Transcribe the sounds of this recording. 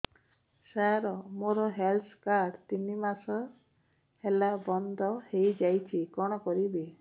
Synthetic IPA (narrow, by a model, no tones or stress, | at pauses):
saɾɔmoɾɔɦelt̪ʰkaɾɖt̪inimasɔ | helabɔnd̪ʱɔhejd͡ʒajt͡ʃʰikɔɽ̃ɔkɔɾibe